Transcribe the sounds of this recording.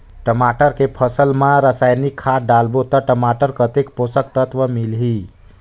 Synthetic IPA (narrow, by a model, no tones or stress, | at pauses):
ʈəmaʈəɾkepʰəsəlmãɾəsajnikʰːaɖalbot̪əʈəmaʈəɾkət̪ekposəkt̪ət̪ʋəmilɦi